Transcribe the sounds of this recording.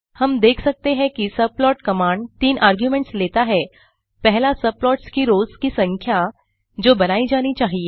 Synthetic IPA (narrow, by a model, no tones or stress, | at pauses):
hɐmd̪eːkʰsɐk̚t̪eɦɛ̃kisɐb̚lɔːʈkɐmãːɳɖt̪iːnʔaːɾɡjumẽɳʈsleːt̪aɦɛ | pɛɦlasɐb̚lɔːʈskiɾoːzkisɐ̃ŋkʰja | d͡ʒoːbɐnaːid͡ʒaːnit͡ʃaːɦieː